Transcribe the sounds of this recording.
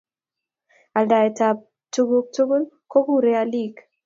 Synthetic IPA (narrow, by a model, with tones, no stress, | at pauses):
a˨lda˨e˨ta˨p̚ | tu˦ɡu˦k̚tu˦ɡu˦l | ko˦ɡu˦ɾe˦a˦li˦˨k